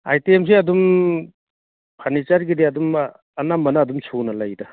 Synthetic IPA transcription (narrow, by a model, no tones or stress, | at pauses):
a̰jtiems̬eɐdum | pʰanit͡ʃaɾɡidiɐdum | ɐnamːɐnɐːdumsʰunɐlajdɐ